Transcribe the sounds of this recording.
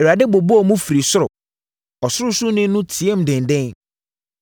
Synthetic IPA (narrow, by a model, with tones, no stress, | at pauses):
e˨a˨de˦bo˨bo˦ɔ˨mũ˦fɾi˨sʊ˦ɾʊ˨ | ɔ˨sʊ˦ɾʊ˦sʊ˦nɪ̃˦nʊ̃˦tʰi˨e˦m̩˨dɪ̃˨ndɛ̃˦n